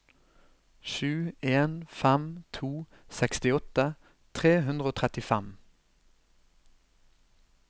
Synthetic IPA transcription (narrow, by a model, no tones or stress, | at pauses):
ʃʉːeːnfæmt̪ʰuː | sɛkst̪ɪɔt̪ə | t̪ʰʁeːɦʉnd̪ʁəoːt̪ʰʁɛt̪ɪfæm